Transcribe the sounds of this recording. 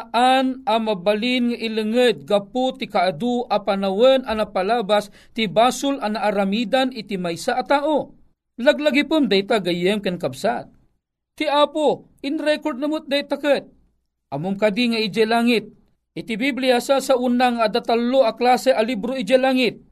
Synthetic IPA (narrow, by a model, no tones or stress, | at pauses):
ʔanamabalinŋaʔilɨŋəd̪̚ɡapʊt̪ikaʔad̪uʔapanawənanapalabas | t̪ibaːsʊlanaʔaɾamid̪anit̪imajsaʔːt̪aːʔo | laɡlaɡipɨmd̪ajt̪aɡajɛmkankabsat̪̚ | t̪ːiapo | ɪnɾɛkoɾd̪̚namʊt̪̚d̪at̪ːakət̪̚ | ʔamomkad̪iŋaid͡ʒɛlaŋɪt̪̚ | ʔit̪ibiblijasasaʔunaŋaːd̪at̪alːoʔaklasɛʔalibɾoid͡ʒɛlaŋɪt̪̚